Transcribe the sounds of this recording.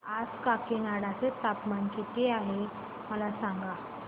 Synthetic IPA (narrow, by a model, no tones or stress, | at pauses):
ad͡zkakenaɽat͡set̪apmankit̪eaɦe | məlasãŋɡa